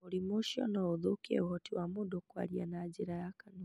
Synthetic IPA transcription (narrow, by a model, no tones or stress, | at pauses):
uɾimuʃɔ̰nauðukiɛ̰uhɔtiwamuɗɔkwa̰ɾianaːd͡ʒiɾajakanu